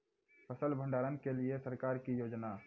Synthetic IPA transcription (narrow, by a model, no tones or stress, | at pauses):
pʰəsəlbʱə̃ɳɖaːɾənkeliesəɾkaːɾkijoːd͡ʒna